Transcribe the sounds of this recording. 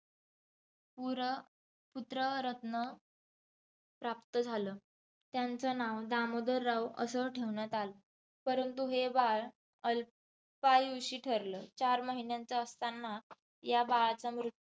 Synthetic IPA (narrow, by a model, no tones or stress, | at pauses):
puɾ | put̪ɾəɾət̪nə | pɾap̚t̪əd͡zʱaləː | t̪jant͡sənaʋd̪amod̪əɾːawə̰səʈʰeʋɳjat̪alə | pəɾənt̪uɦebaɭ | əl | pajuɕiːʈʰəɾləːt͡ɕaɾməɦinjant͡saəst̪ʰanːa | jabaɭat͡samɾut̪